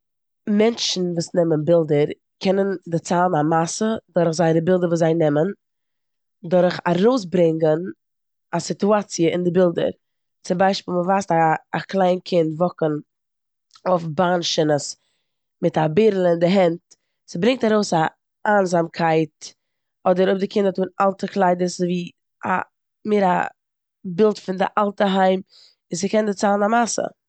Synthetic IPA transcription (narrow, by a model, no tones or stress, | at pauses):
mɛnt͡ʃn̩vuːsnɛmənbɪlˠdəɾ | kʰɛnəndɪt͡saːlˠnamasədʊɾχzaɪnəbɪlˠdəɾvuːszaɪnɛmən | dʊɾχa̰ɾoʊs̬bɾɪŋɡən | asɪtuat͡sjəɪndɪbɪlˠdə̰ɾ | t͡sɪmbaɪʃpiːlˠməvaːstaːklˠaɪnkʰɪntvɔkən | ofbanʃənəs | mɪtabɪɾl̩ˠɪndɪɦɛnt | sɪbɾɪŋk̚taɾoʊsa | aːnzamkʰaɪt | ɔdəɾʊb̚dɪkʰɪndatuːnalˠtəklˠaɪdəszviː | a̰ | mɪɾa̰ | bɪlˠtfɪndɪ̰ʔalˠtəɦaɪm | ɪsɪkɛndɪt͡saːlˠənamasə̰